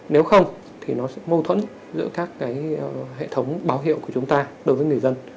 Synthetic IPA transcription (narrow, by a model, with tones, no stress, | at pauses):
ne˨˦wxə˧wŋ͡m | t̪ʰi˨˩nɔ˨˦sɛ̰˧˥mə˧wt̪ʰwə̰˧˥n | zɨ̰˧˥əkaː˦˥kːaː˨˦jə˨ɦḛ˧˨t̪ʰə˨˦wŋ͡mɓaː˨˦wɦḭ˧˨wku˧˩t͡ɕʊ˨˦ŋ͡mt̪aː˧ɗo˨˦jvəː˨˦jŋɨ˨˩əjzə˧n